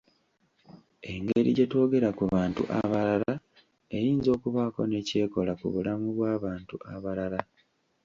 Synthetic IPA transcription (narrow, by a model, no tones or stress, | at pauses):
e̞ŋɡe̞ɾḭɟe̞to̞ːɡe̞ɾakuβaːntṵʔa̰βalala | e̞jiːnzo̞ːkuβaːko̞ne̞ːce̞ːko̞lakṵβulamuβwaːβaːntua̰βalala